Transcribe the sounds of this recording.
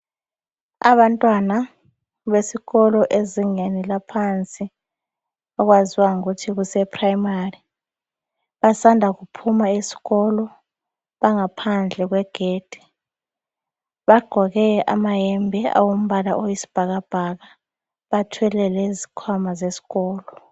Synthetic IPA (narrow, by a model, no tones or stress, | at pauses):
a̰ɓantʼwana | ɓesiɣɔlɔʔeziŋenilapʰant͡sʼi | ɔk̬waziwaŋukutʰik̬usɛpʰʼraimari | ɓasandʱakupʰumaesi̥ɣɔlɔ | ɓaŋapʰand͡ɮʱɛk̬wɛɡ̥ʱeːd̥ʱi̥ | ɓaɡ͡ǃ̥ʱɔk̬ɛʔa̰majɛmbʱɛa̰wom̩ɓala̰ʔojisi̥b̥ʱak̬ab̥ʱak̬a | ɓatʰwɛlɛlɛzi̥kʰwamazesi̥ɣɔːlɔ